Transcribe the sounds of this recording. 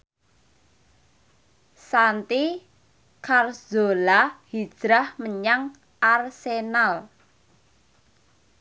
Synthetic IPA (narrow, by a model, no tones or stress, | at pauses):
sant̪i | kʰarz̥olahid̥ʒ̥ɾahməɲaŋ | arsenal